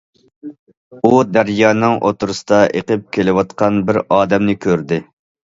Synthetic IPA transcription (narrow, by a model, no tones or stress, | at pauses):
ud̪æɾjɑːnɨŋʔo̰t̪ʊɾɨsɨ̥d̪ɑʔeqəp̚kʲʰelɪwɑt̪̚qɑnbɪɾɑːd̪ɛmnɪkʲʰøɾd̪ɪ